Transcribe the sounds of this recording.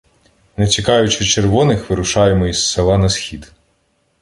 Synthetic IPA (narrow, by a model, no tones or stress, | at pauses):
net͡sʲikɑjʊt͡ʃɪt͡ʃerʋɔnɪxʋɪɾʊʃɑjemɔisːelˠɑnɐsxʲid̪